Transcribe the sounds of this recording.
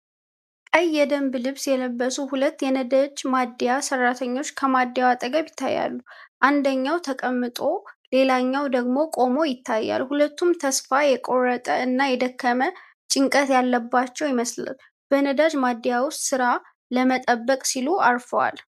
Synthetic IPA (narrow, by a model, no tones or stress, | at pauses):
kʼəjːɛd̪əmblɨβsjɛləbːəsuhulət̪ːjɛnəd̪ad͡ʒmad̪ijasərːat̪ʰəɲːo̞t͡ʃːkʰəmad̪ːjawat̪ʼəɡəβjɪt̪ʰːa̰jːa̰lːuʔand̪əɲːawt̪ʰəkʼəmːɨt̪ʼo̞le̞laɲːawd̪əɡmo̞kʼo̞mo̞jɪt̪ʰːajːa̰lhulət̪ːumt̪ʰəsfajɛkʼo̞rːət̪ʼəɨnːajɛd̪əkːəmə | t͡ʃʼɪŋkʼət̪jalːəbːat͡ʃːɛwjɪməsla̰l | b̥ənəd̪ad͡ʒmad̪ːijawʊst̪sɨɾa | ləmət̪ʼəbːəkʼsiluaɾfəwa̰l